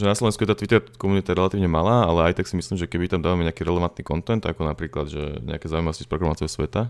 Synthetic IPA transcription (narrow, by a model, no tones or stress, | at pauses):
ʒɛnaslɔʋɛnskujɛt̪aːt̪ʋit̪ɛɾkɔmunit̪aɾɛlat̪iːʊɲɛmalaːalɛajt̪aksimisliːmʒɛkɛbit̪amd̪aːʋamɛɲɛakiːɾɛlɛʋant̪̚niːkɔnt̪ɛnt̪akɔnapɾiːklad̪ʒɛ̰ɲɛ̰akɛzaːujimaʋɔscispɾɛkɾamat͡siɛsʋɛt̪a